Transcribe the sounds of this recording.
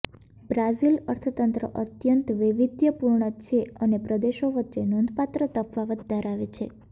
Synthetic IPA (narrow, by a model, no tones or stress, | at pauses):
bɾazilə̰ɾt̪ʰət̪ənt̪ɾə̰ʔət̪jənt̪ʋɪʋid̪jəpuɾɳət͡ʃʰeənepɾəd̪eʃoʋətːʃenond̪ʱpat̪ɾət̪əfʰʋaʋəd̪̚d̪ʱəɾaʋet͡ʃʰe